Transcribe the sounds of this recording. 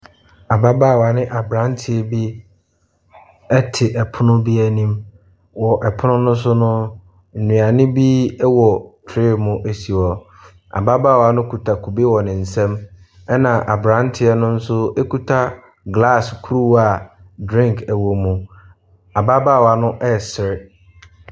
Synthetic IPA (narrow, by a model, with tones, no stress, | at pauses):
a˨ba˦baː˦˨wa˨nɪ̃˦ʔa˨bɾã˨˦ntʰɪ˨ɛ˦bi˦ | ɛ˦tʰɪ˨ʔɛ˨pʰʊ˦nʊ̃˦bi˦ɛ˦nĩ˦m | wɔ˨ʔɛ˨pʰʊ˦nʊ̃˦nʊ̃˦s̬ʊ˦nʊ̃˦ | n̩˨nũ˨a˨nɪ̃˦bi˦ɛ˦wɔ˨tʰɾɪ˦˨mʊ̃˦ʔe˦si˨ɔ˨ | a̰˨ba˦baː˦˨wa˦nʊ̃˦kʰu˨tʰa˨kʰu˨be˦wɔ˨nɪ̃˨n̩˨sɛ̃˦m | ɛ˦nã˨ʔa˨bɾã˦n˦tʰɪ˨˦ɛ˦nʊ̃˦n̩˦sʊ˦e˦ku˨tʰa˦ | ɡla˦˨skʰu˦ɾu˦˨a˨ | dɾĩ˦ŋkʰɛ˨wo˨mũ˨ | a˨ba˦ba˦˨wa˨nʊ̃˦ʔɛ˦˨sɪ˨ɾɪ˨